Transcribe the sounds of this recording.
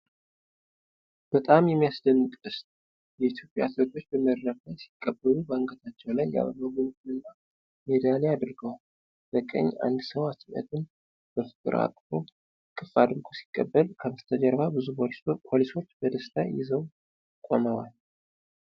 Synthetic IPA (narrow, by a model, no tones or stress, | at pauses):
b̥ət̪ʼamjɛmːijasd̪ənːut̪ʼɨst̪ʼ | jɛit̪ʰjo̞pʼja̰t̪lət̪ʰʼo̞t͡ʃːbəməɾɾəfəsi̥kʼːəbːəlubaŋɡət̪ʰat͡ʃːɛwlajːa̰βəβəɡont̪ɨnɨnːa | med̪alead̪ɾɡəwal | b̥əkʼə̰ɲːʔa̰nd̪səwasmiə̰t̪ʰɨn | b̥əfɨ̥k̪ʼɨ̰ɾa̰kʼfom | kʼɨfad̪ɨɾɡʰosi̥kʼːə̰bːəlkʰəmɨst̪ʰəd͡ʒəɾbabɨzubʰolspʰo̞liso̞t͡ʃːb̥əd̪əst̪ʰa̰jɪ̰zəw | kʼo̞̰nəwal